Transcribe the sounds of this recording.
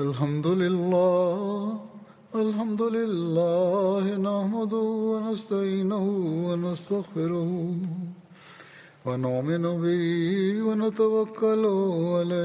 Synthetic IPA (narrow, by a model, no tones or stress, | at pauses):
alɦamd̪ʊlɪlːaː | ɐlɦamd̪ʊlɪlːaːhɪnahmʊd̪ʊwɐnast̪aiːnʊɦʊwɐnast̪aɣfɪɾʊh | wanʊʔmɪnʊbɪɦwɐnat̪awɐkːɐlʊʕalaː